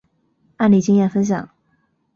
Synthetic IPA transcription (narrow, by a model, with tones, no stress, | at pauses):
a˥˩nli˨˩t͡ɕi˥ŋjɛ˥˩nfə˥nɕ̬jɑ̰˨˩˦ŋ